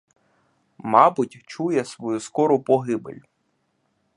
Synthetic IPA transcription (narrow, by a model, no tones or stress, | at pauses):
mɑbʊtʲt͡ʃujɛsʋɔjuskɔɾʊpɔɦɪbɪ̰lʲ